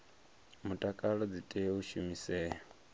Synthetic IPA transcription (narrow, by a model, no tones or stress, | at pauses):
mutʼakʼaɺɔd͡zitʼɛuʃumisɛːɦɔ